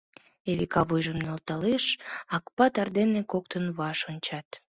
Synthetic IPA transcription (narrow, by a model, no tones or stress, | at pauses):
eβikɑβujʒəmnolt̪ɑleʃɑkpɑt̪ɑrd̪enekok̚t̪ənβɑʃonʲt͡ɕɑt̪